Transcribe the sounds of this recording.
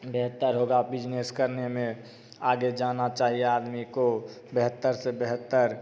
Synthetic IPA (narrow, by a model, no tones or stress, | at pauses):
beɦət̪ːəɾɦoːɡabɪd͡ʒneskəɾnemẽ | aːɡed͡ʒaːnat͡ʃaːɦieaːd̪miko | beɦət̪ːəɾsebeɦət̪ːəɾ